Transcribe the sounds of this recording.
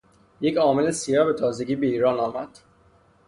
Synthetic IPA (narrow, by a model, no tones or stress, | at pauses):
je̞cʰɒːme̞lesijɒːbe̞t̪ʰɒːze̞ɟʲiːbeiːɾɒːnɒːmæd̪̥